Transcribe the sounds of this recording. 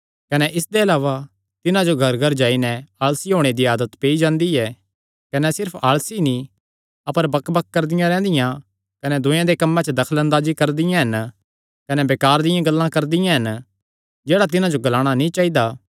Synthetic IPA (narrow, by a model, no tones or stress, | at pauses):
kɐnɛʔɪsd̪eɐlaːʋa | t̪ɪnãd͡ʒoɡʱɐɾɡʱɐɾd͡ʒaːinɛ̃aːlsiɦoːɽ̃ed̪iaːd̪ət̪peːid͡ʒãːnd̪iɛ | kɐnɛsɪɾpʰaːlsinĩ | ɐpəɾbɐkbɐkːɐɾd̪ɪjãɾɛ̃ːnd̪ɪjã | kɐnɛd̪ʊ̃jãd̪ekɐmːɛ̃t͡ʃəd̪ɐkʰəlɐ̃nd̪aːd͡ʒikɐɾd̪ɪjãɦɐn | kɐnɛbeːkaːɾd̪ɪjãɡɐlːãkɐɾd̪ɪjãɦɐn | d͡ʒeːɽat̪̬ɪnãd͡ʒoɡɐlaːɽ̃anĩt͡ʃaːɦid̪a